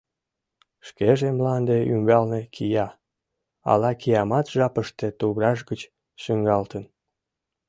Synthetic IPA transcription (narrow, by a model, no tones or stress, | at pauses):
ʃkeʒemlɑnd̪eymɡɑlnekʰijɑ | ɑ̰lɑkijɑmɑt̪ʒ̥ɑpəʃt̪et̪uβɾɑʒɡət͡ɕ | ʃyŋɡɑlt̪ən